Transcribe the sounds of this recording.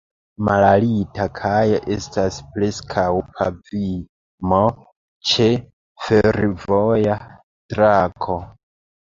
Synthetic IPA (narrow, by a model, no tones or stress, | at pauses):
malalitakʰajoʔe̞staspɾe̞skʰawkʰavi | mo | t͡ʃe | feɾvoja | tɾakʰo